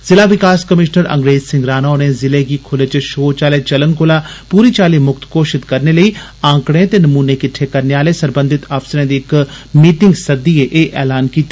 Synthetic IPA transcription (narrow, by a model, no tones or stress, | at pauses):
zɪlaːʋɪkaːskəmɪʃnəɾə̰̃ŋɡɾeːzsɪ̃ŋɡɾaːnaoneːzɪleːɡiːkʰʊleːt͡ʃʃoːt͡ʃaːleːt͡ʃələŋkolaːpuːɾiːt͡ʃaːleːmʊkt̪koːʃɪt̪kəɾneːləiːãːkɽ̃ẽt̪eːnəmuːneːkɪʈʰːekəɾneaːleːsəɾbə̃nd̪ʱɪt̪aːfsɾẽːd̪iːɪkmiːʈɪ̃ŋɡsəd̪iːeʔeːʔʔɛːlaːnkiːt̪ːaː